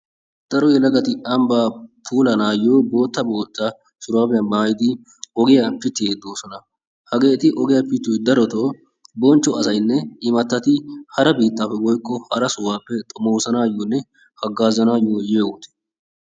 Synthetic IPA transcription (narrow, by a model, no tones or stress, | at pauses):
d̪̥ɐɾɔjɛlɐɡɐt̪ɪɐmbaːpʰuːlɐnaːjːoːbo̞ːt̪ːɐboːt̪ːa | sʊɾaːbɪjɐmaːjɪd̪ɪ | ɔɡɪjɐpɪt̪ːɪeːd̪oːsɔnɐ | hɐɡe̞ːt̪ɪʔɔɡɪjɐpɪt̪ːʊjd̪ɐɾɔt̪oː | bɔnt͡ʃːɔɐsɐjnːɛɪmɐt̪ːɐt̪ɪhɐɾɐbiːt̪ːaːpːɛwɔjkːɔhɐɾɐsʊwaːpːɛt̪ʼɔmoːsɐnaːjːoːnːɛ | hɐɡːaːzɐnaːjːoːjeːwʊt̪ɛ̥